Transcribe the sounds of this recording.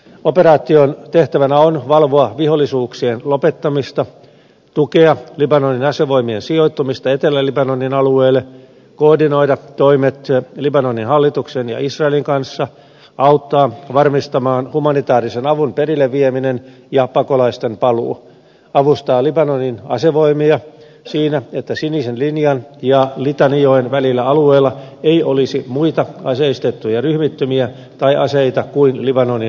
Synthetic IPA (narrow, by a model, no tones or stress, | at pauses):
operɑːt̪iont̪eht̪æʋænæonʋɑlʋoɑʋiholːˑisuːksienlopet̪ːɑmist̪ɑ | t̪ukeɑlibɑnonːinɑseʋo̞imiensioit̪ːumist̪ɑet̪elːælibɑnonːinɑlueːlːe | koːrdino̞idɑt̪oimet̪libɑnonːinɦɑlːit̪uksenjɑ̰isrɑeliŋkɑnsːɑ | ɑut̪ːɑːʋɑrmist̪ɑmɑːnhumɑnit̪ɑːrisenɑʋunperilːeʋʋieminen | jɑpɑkolɑist̪empɑlṵː | ɑʋust̪ɑːlibɑnoninɑ̰seʋoimiɑ | siːnæet̪ːæsiniːsenlinjɑnjɑlit̪ɑnioinʋælilːæɑlueːlːɑeiolisimuit̪ɑɑseist̪et̪ːujɑryhmit̪ːømiæ | t̪ɑiʔɑseit̪ɑkuinlibɑnoni